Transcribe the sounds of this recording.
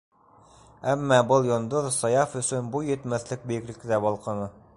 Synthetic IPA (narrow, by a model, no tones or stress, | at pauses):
æmːæbɤlˠjŏnd̪oðsɑjɑfɵ̆sɵnbujɘ̆t̪mæθlɘk̚bɘ̆jɘ̆klɘ̆kt̪æbɒlˠqɤ̆nɤ